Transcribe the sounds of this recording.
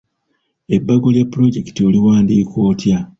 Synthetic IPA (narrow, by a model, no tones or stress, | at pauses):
e̞bːaɡo̞ljapːuɾo̞ɟe̞ki̥tioliwaːndiːkoːtja